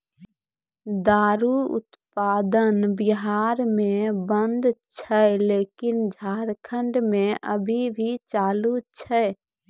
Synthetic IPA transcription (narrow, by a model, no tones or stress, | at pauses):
d̪aːɾuʊ̰t̪ | paːd̪ənbiɦaɾmẽbənd̪t͡ʃʰɛleːkɪnd͡ʒʱaːɾkʰəɳɖmẽʔə̰bʱibʱit͡ʃaːlut͡ʃʰɛ